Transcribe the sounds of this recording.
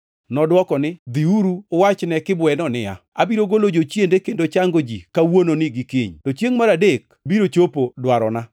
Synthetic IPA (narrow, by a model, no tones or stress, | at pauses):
nɔdwɔkɔnɪd̪iuɾuwat͡ʃnɛkɪbwɛnɔnɪja̰ | abiɾoɡolod͡ʒot͡ʃjendekendot͡ʃaŋɡod͡ʒḭkawononɪɡɪkiɲtot͡ʃeŋmaɾadek̚ | biɾot͡ʃopodwaɾɔna